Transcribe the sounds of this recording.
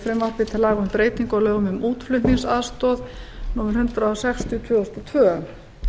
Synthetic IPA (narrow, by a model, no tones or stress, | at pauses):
fɾɛmvarp̪vɪt̪ʰɪlaːɣʏmpɾeːjt̪iŋkɔwlœːɣʏmʏmuːt̪flʏniŋsaðst̪ɔðnɔːmɪɾ̥hʏnt̪ɾaasɛxst̪jʏt̪ʰvœːɔst̪ɔt̪ʰvœːʏm